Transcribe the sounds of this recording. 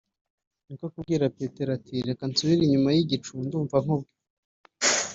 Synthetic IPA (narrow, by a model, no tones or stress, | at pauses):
nikokubɡiːɾapeːte̞ɾatʰiɾe̞kansuβiɾiɲumajiɟit͡ʃunduːɱvaŋubɡo̥